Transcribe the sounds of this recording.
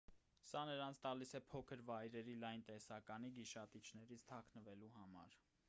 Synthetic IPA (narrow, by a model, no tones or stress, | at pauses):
sɑnəɾɑnt͡sʰt̪ɑlisɛpʰɔkʰəɾvɑjɾɛɾilɑjnt̪ɛsɑkɑniɡiʃɑt̪it͡ʃʰnɛɾit͡sʰt̪ʰɑkʰnəvɛluɦɑmɑ̰ɾ